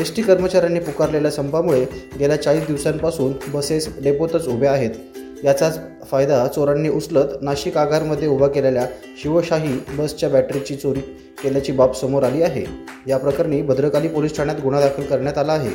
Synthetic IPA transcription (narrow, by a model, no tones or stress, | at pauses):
esʈiːkəɾmət͡ɕaɾanːiːpukaɾleljasəmpamuɭeɡeljat͡saɭiːsd̪iʋsanpasuːnbəsesɖepot̪ət͡subʱeaɦet̪ | jat͡sat͡s | fajd̪at͡soɾanːiːʔut͡slət̪naɕikaɡʱaɾməd̪ʱːjeubʱakelelja | ɕiʋəɕaɦiːbəst͡ɕjabæʈɾit͡ɕiːt͡soɾiː | keljat͡ɕiːbapsəmoɾaliːaɦḛjapɾəkaɾniːbəd̪ɾəkaliːpolisʈʰaɳjat̪ɡuɽ̃ad̪akʰəlkəɾɳjat̪alaːɦḛ